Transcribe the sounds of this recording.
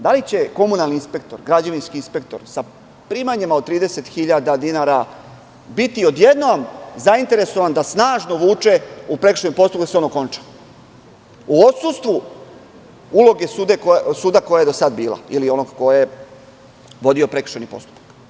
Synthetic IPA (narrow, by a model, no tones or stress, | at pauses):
d̪alit͡ɕe̞ko̞munalninspe̞k̚t̪o̞̰ɾɡɾad͡ʑaʋinskiːnspe̞kt̪o̞̰ɾsa | pɾiːmaɲemaod̪̚t̪ɾiːd̪e̞set̪xiʎad̪ad̪inaɾa | bit̪io̞d̪je̞d̪nomzaint̪e̞ɾe̞so̞ʋand̪asnaːʒno̞ʋuːt͡ʂe̞upɾekɾ̥̩r̥ʃeniposupakd̪aseo̞noko̞nt͡ʃḁ | uot̪sust̪ʋu | ulo̞ɡe̞sud̪eksuːd̪ako̞jaje̞d̪osad̪biːlˠa̰ilio̞noɡko̞jje | ʋo̞d̪iopɾe̞kr̥ʃenipo̞̰st̪u̥pḁk